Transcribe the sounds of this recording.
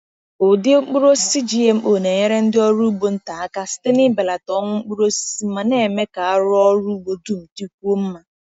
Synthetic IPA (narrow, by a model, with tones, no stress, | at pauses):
ʊ˨dɪ˦o˦k͡pu˦ɾo˦si˦d͡ʒi˦e˨m̩˦o˨ne˨ɲe˦ɾe˦n̩˦dɪ˦ɔ˦ɾu˦bo˨n̩˦ta˨a˦ka˦si̥˦te˦nɪ˦be˨la˨tɔ˦ŋʷʊ˦ŋ͡m̩˦k͡pu˦ɾo˦ssi˨˦ma˦ne˦˨me˦ka˨a˦ɾʊ˦ɔ˦ɾu˦ɡ͡bo˨du˦m̩˨tu˦kʷu˦o˦m̩˦ma˨